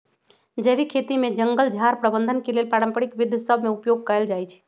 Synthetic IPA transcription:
d͡ʒeːbʱikʰet̪imed͡ʒəŋɡəld͡ʒʱaɾpɾəbənd̪ʱənkelelpaɾə̃mpəɽikʋid̪ʱːsəbʱmeupjoɡ̚kəəld͡ʒajt͡ʃʰ

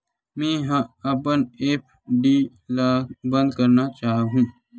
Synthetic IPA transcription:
mẽːɦɐpəneːpʰ | ɖiː | laːbɐ̃nd̪kɐɾnat͡ʃaːɦɦũː

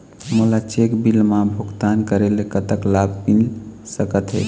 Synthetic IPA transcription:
mulat͡ʃekbilmãbʱuɡt̪ankəɾelekət̪əklab̚ʱpinsəkət̪ɦe

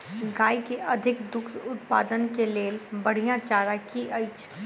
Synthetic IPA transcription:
ɡaːikeʔɐd̪ʱɪkd̪ʊk̪ʰʊt̪pa̰ːd̪ənkeleːlbəɽ̤ijãt͡ʃaːɾakiʔəɪt͡ʃʰ

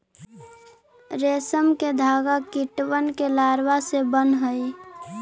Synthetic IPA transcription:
ɾesəmked̪ʱaːɡakiʈwənkelaːɾwasebənɦəj

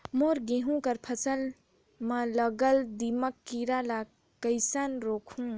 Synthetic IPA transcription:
moɾɡẽɦũkəɾpʰəsəl | mə̃ləɡəld̪iməkːiɾala | kəjsanɾokʰhũ

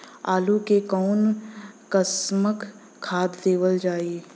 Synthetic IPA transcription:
aːlukekɔːnkəsməkʰː | aːd̪d̪eːʋəld͡ʒaːie

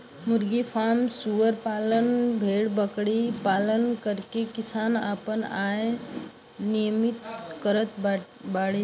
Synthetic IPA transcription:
mʊɾɡipʰaːmsuʋəɾpaːlənbʱeːɽbəkɽipaːlənkəɾkekɪsaːna̰ːpənaːe | nijəmɪt̪kəɾət̪ | baːɽe

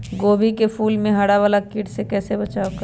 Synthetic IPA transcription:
ɡoːbikepʰuːlmẽɦɐɽaʋaːlakɪːʈsekɛːsebɐt͡ʃaːok

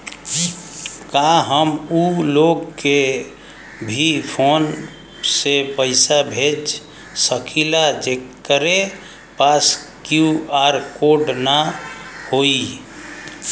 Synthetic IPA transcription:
kaɦəmuloɡke | bʱipʰon | sepəɪsabʱed͡ʒ | səkʰilad͡ʒekːəɾe | paskjuaɾkoɖnahoi

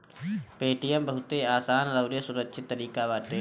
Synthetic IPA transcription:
peːʈijə̃mbəɦʊt̪eaːsaːnləʊɾjesʊɾəkʃʰɪt̪ːəɾiːkaʋaːt̪e

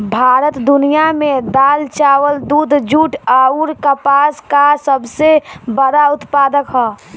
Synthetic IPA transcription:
bʱaːɾət̪d̪ʊnijamẽd̪aːlt͡ʃaːwəld̪uːd̪ʱd͡ʒuːʈaːuɾkəpaːskasəbsebəɾaʊt̪paːd̪əkɦɛː

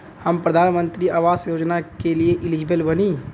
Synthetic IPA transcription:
hɐmpɾɐd̪ʱaːnmə̃nt̪ɾiaːʋaːsjoːd͡ʒnakelieʔɪlɪd͡ʒɪbəlbɐniː

